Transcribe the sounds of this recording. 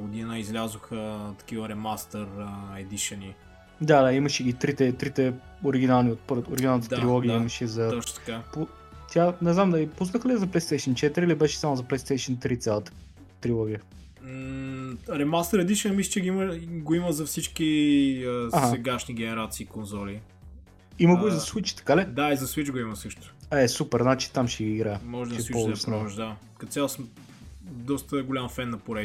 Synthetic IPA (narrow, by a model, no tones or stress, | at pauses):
ɡʊd̪inəizlʲazʊxət̪ɐ̥k̟ivəɾɛmast̪ɛɾəɛd̪iʃəni | d̪ad̪aiməʃɛɡit̪ɾit̪ɛt̪ɾit̪ɛ | oɾiɡʲinalˠniot̪̚pɤɾvoɾiɡʲinalˠnət̪ət̪ɾilˠɔɡ̟iəiməʃɛzɐt̪ɔt͡ʃt̪ɐ̥kapo | t̪ʲjanɛznamd̪ɐlipusnəxəlizɐplˠɛjst̪ɛjʃənt͡ʃɛt̪iɾilibɛʃɛ̥samʊzɐplɛjst̪ɛjʃənt̪ɾit̪sʲjalˠət̪ə̥ | t̪ɾilˠɔɡʲijə | ɾɛmast̪əɾɐd̪iʃnɐmislə̥t͡ʃɛɡiiməɡoiməzɐfsit͡ʃkiəaɦaɛɡaʃniɡɛnɛɾat̪siːkonzɔli | iməɡoizɐswit͡ʃt̪ɐ̥kalɛd̪aizɐswit͡ʃɡoiməsɤʃt̪ʊ̥ɛsupɛɾznat͡ʃi̥t̪amʃɛɡiːɡɾajəmɔʒɛd̪ʃɛipɔsnʒd̪a | kɐt̪t̪sʲalˠsm | d̪ɔst̪əɡolʲamfɛnːɐpoɾɛ